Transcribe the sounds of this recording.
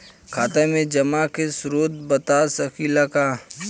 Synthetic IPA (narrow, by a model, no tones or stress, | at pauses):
kʰaːt̪emẽd͡ʒɐmakesʊɾoːt̪̚bət̪asɐkilaka